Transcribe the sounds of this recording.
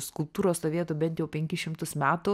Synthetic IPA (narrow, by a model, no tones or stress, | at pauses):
skʊlˠp̚t̪uːɾoːst̪oːʋʲiɛt̪uːbʲɛnt̪jɛʊpʲɛŋʲkʲɪʃʲɪmt̪ʊsmʲæːt̪ʊ